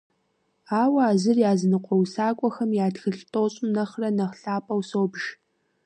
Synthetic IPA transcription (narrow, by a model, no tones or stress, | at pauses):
aːwɐːzɨrjaːznɨqʷʼɔwsaːkʷʼɔxɐmjaːdxɨɬtʼoːɕʼʊnɐχrɐnɐχɬaːpʼɐwsoːbʒ̥